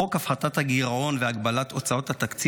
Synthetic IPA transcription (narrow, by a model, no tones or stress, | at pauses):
okafχat̪at̪haɡiʁao̞nveaɡbalat̪o̞t͡sao̞t̪hat̪akt͡s